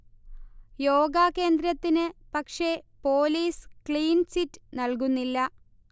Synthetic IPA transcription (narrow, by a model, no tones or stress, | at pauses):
jo̞ːɡaːke̞ːnd̪ɾɐt̪ːinɨpɐkʂe̞po̞ːliːskɭiːnsitːɨnɐlk̬unːilːɐ